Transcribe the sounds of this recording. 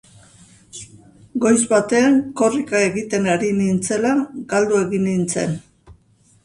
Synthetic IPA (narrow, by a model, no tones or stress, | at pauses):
ɡo̞jzβat̪e̞aŋko̞rikae̞ɣit̪e̞naɾinint͡se̞laɡald̪ue̞ɣinint͡se̞̰n